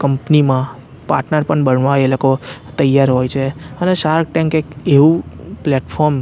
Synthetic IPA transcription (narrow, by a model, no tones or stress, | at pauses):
kəmpnimã | pa̰ɾʈnəɾpəɳbəɳʋaelokot̪əjːaɾɦojt͡ʃʰeəneʃaɾkʈɛ̃ŋkekeʋũpleʈfʰɔɾm